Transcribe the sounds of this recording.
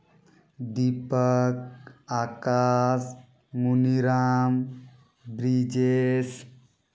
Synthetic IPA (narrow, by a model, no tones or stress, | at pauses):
d̪ipəkakaːs | muniɾaːm | bɾid͡ʒes